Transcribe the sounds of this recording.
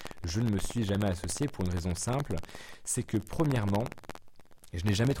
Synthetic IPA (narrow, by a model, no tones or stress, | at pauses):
ʒənəməsɥiʒamɛasɔsjepuʁynʁezɔ̃sɛ̃plsɛkəpχəmjɛʁmɑ̃ | ʒənɛʒamɛt̪